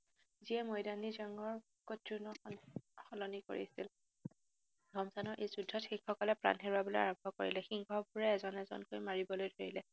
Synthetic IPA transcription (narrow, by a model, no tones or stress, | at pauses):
ziɛmojdanizaŋɔɹ | kotɹunɔxɔlɔniko̰ɹḭasil | dʱɔmsanɔɹʔejzudʱːɔtxikxɔkɔlɛpɹa̰nɦeɹuabɔloja̰ɹɔbʱɔko̰ɹḭlɛxiŋɡʰʱɔbʱuɹɛːzɔnɛzɔ̰nkojmaɹibɔlojdʱoɹilɛ